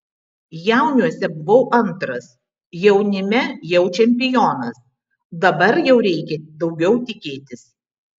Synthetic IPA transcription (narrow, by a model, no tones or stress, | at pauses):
jæˑʊnʲuɔsʲɛbʊʋɐʊʔɐnt̪ɾɐs | jɛʊnʲɪmʲɛjɛʊt͡ʃʲɛmʲpʲɪjoːnɐs | d̪ɐbɐɾjɛʊɾʲɛɪkʲɛd̪ɒʊɡʲɛʊt̪ʲɪkʲeːt̪ʲɪs